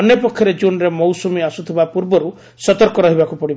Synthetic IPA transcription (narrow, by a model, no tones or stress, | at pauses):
ɔnjɔpɔkʰːjɔɾed͡ʒunɾemɔwsumiasut̪ʰibapuɾbɔɾu | sɔt̪ɔɾkɔɾɔɦibakupɔɽib